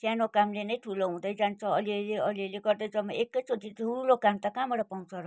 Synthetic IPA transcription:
sjanokamlenʌjʈʰuloɦũd̪ʌjd͡zant͡sʰʌʌliʌleʌliʌleɡʌrd̪ʌjd͡zʌmːʌekːʌjt͡soʈiʈuulokamt̪akamʌɽʌpaw̃t͡sʰʌɾʌ

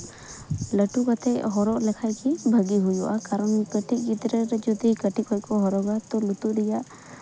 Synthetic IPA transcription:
ləʈukat̪ʰɛɦɔɾɔʔlɛkʰajkibʱəɡiɦujuʔakaɾɔnkəʈʰik̚it̪ɾɛɾɛd͡ʒɔd̪ikəʈikɦɔjkɔɦɔɾɔɡat̪ɔlut̪uʔɾijaʔ

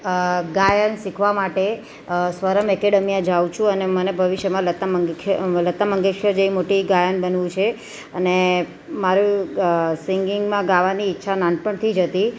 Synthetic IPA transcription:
ɡajənsikʰʋamaʈe | sʋəɾəmɛkeɽəmijãd͡ʒawt͡ʃʰũənemənebʱəʋiʃjəmãlət̪aməɡklət̪ːaməŋɡekʃəd͡ʒeʋimoʈiɡajənbənʋũt͡ʃʰe | əne | maɾũ | siŋɡɪŋɡmãɡaʋaniːtːʃʰananpəɳt̪ʰid͡ʒət̪i

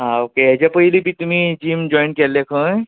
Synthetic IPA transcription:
ɦãokeed͡ʒapəɦilibʱit̪um̤ĩd͡ʒimd͡ʒɔjnkelekʰə̃

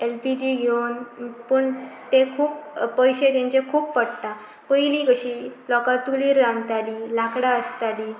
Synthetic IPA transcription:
elpid͡ʑiːɡʱewnpəɳt̪ekʰuːppəjɕet̪jãɲt͡ɕekʰuːppəɽt̪a | pəjlikəɕiːlɔkat͡suliːɾːãnt̪aliːlakɽaəst̪aliː

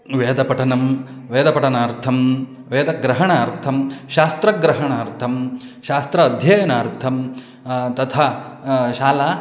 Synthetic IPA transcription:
ʋeːd̪ɐpɐʈɐnɐm | ʋeːd̪ɐpɐʈɐnaːɾt̪ʰɐm | ʋeːd̪ɐɡɾɐɦɐɳaːɾt̪ʰɐmʃaːst̪ɾɐɡɾɐɦɐɳaːɾt̪ʰɐm | ʃaːst̪ɾɐːd̪ʱjɐjɐnaːɾt̪ʰɐm | t̪ɐt̪ʰaːʃaːla

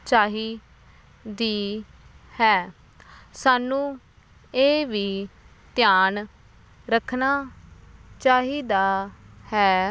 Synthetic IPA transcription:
t͡ʃaːɦiː | d̪iː | hɛː | saːnũː | eːʋiː | t̪ɪjaːn | ɾəkʰnaː | t͡ʃaːɦiːd̪aːhɛː

